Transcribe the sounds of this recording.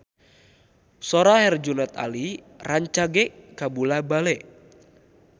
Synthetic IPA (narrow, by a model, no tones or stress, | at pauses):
soɾahɛrd͡ʒunɛt̪a̰li | raɲt͡ʃaɡɛʔkabulabalɛʔ